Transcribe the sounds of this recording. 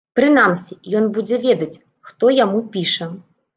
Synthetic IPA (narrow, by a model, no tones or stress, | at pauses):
pɾɨn̪amsʲijɔnbud͡zʲɛvʲɛd̪ɐt͡sʲ | xt̪ɔjamupʲiʂɐ